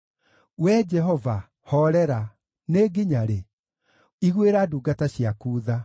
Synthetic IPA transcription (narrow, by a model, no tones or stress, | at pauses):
wɛd͡ʒɛɦɔva | hɔɾɛɾa | neɡiɲaɾe | iɣweɾaduːɡataɕiakuːða